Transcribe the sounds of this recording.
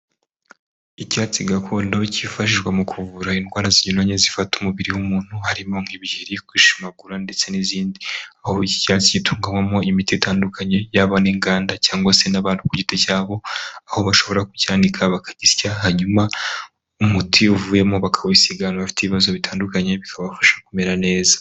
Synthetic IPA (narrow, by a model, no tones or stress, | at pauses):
icaːt͡siɡakʰo̞ːndo̞cifaʃiʒɡwamukʰuvuɾainwaːɾaziɲunoɲezifatumuβiɾiwumuːn̥huhaɾimo̞ŋ̥hiβihiɾikwiːʃimaɡuɾande̞t͡se̞niziːndiahoici̥caːt͡sicitʰuːŋɡamwamo̞imitiitaːndukʰaɲe̞jaβaniːŋɡaːndacaːŋɡwase̞naβaːnukuɟitecaːβo̞aho̞βaʃo̞βo̞ɾaku̥caːndikʰaβakḁɟizcahaɲuma | umutʰiuvuːje̞mo̞βakʰawisiɡanoβafi̥teβiβazo̞βitʰaːndukaɲe̞βikʰaβafḁʃḁkume̞ɾane̞ːzḁ